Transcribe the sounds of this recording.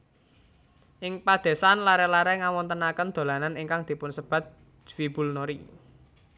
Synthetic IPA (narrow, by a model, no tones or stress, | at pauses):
ʔɪŋpad̪̥e̤sanlaɾɛlaɾɛŋawɔnt̪ənakənd̪̥o̤lananiŋkaŋd̪̥i̤pʊnsəb̥ä̤t̪̚ | d͡ʒfib̥ṳlnoɾi